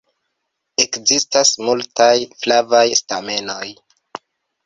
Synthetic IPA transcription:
e̞kzistasmultajflavajstame̞no̞j

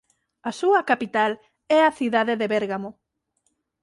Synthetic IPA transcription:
asuɐkapit̪al | ɛaθiðaðeðeβeɾɣamo

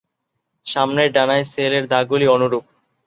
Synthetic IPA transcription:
ʃamneɾɖanaeseleɾd̪aɡulionuɾup̚

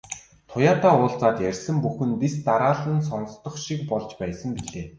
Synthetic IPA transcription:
t̪ʰʊjaːt̪aːʊːɮt͡saːt̪jærʲsɘ̆mpuxɘ̆npist̪aɾaːɮə̆ns̬ɔn̆st̪ɞ̆χʃik̚pɔɮt͡ɕpæːsə̆mpiɮeː

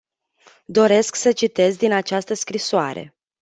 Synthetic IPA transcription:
d̪o̞ɾe̞sksət͡ʃit̪e̞zd̪inat͡ʃast̪əskɾisoa̰ɾe̞̰

